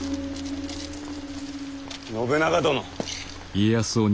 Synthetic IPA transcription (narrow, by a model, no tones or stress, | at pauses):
nobenaɡad̪ono | iejasoːɲ